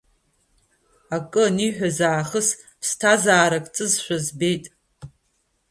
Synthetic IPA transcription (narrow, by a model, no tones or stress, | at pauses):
akʼɨniħʷᶣazaːχəs | pʰstʰazaːɾakʼt͡sʼɨzʃʷᶣazbe̞jtʼ